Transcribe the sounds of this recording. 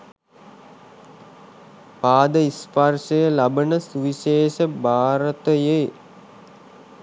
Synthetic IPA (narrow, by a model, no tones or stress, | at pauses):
paːd̪əisparʃəjəlabənəsuʋiʃeːʃəbʱaːɾət̪əje